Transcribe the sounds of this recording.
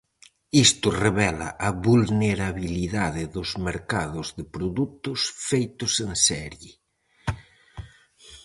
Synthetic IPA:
ist̪ʊreβɛla̰ʔɐβulneɾaβiliðaðɪðʊzmeɾkaðʊzðɪpɾoðut̪ʊsfejt̪ʊsensɛɾjɪ

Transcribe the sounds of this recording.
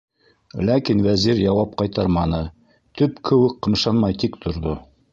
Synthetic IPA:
lækinwæziɾjɑwɑp̚qɑjt̪ɑɾmɑnɤ | t̪ɵpkʰɘ̆wɘkːɤ̆mʃɑnmɑjt̪ikt̪ʰŏɾðo

